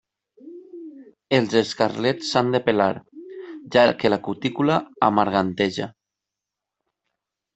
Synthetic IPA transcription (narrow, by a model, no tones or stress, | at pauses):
elˠzeskarlet͡sːand̪epelaɾʒakelakut̪ikulaamaɾɣant̪eʒa̰